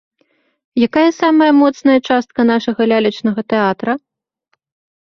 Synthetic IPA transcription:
jakajɐsamɐjɐmɔt̪snɐjɐt͡ʂast̪̚kɐnaʂɐɣɐlʲalʲɐt͡ʂnɐɣɐt̪ɛat̪ɾɐ

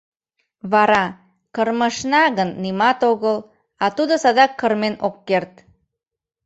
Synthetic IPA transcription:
βɑɾɑ | kərməʃnɑɣənːimɑt̪oɣəl | ɑt̪ud̪osɑd̪ɑkːərmenokːert̪

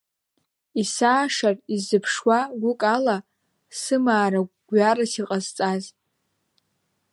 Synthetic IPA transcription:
isaːʂarizɨpʰʂwaɡʷʊkʼala | sɨmaːɾaɡ̥ʷarasiqʼazt͡sʼaz

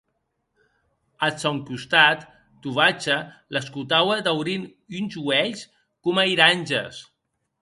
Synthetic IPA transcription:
at͡sɔŋkust̪at̪ː | uβat͡ʃələskut̪awəd̪awɾin | ynzuɛʎs | kumaiɾanʲʒə̰s

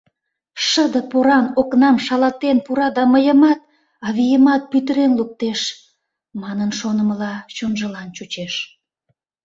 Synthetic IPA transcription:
ʃəd̪əpoɾɑnoknɑmʃɑlɑt̪enpuɾɑd̪ɑməjəmɑt̪ | ɑβijəmɑt̪̚pyt̪əɾenluk̚t̪eʃ | mɑnənʃonəməlɑt͡ɕonʒəlɑnt͡ɕut͡ɕeʃ

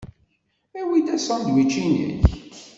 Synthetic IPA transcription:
æwid̪æsɑnd̪wit͡ʃːinə̰ç

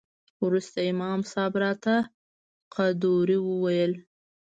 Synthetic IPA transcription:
wɾust̪aɪmɑmsɑbɾɑt̪a | qʰad̪oɾiwəwajəl

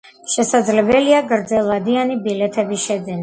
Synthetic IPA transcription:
ʃɛsad̪zlɛbɛliaɡɾd̪zɛlˠvad̪ianibilɛt̪ʰɛbisʃɛd̪ɛn

